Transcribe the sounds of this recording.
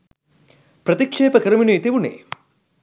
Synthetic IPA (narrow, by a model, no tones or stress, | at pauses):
pɾɐt̪ikʂeːpɐkɐɾɐminut̪iʋunḛː